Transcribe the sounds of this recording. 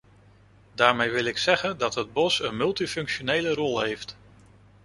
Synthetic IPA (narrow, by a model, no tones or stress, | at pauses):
daːɹmejʋɪlɪksɛχəndɑtɦəd̚bɔsənmɵlˠtifɵŋkʃonejlərɔlˠɦejft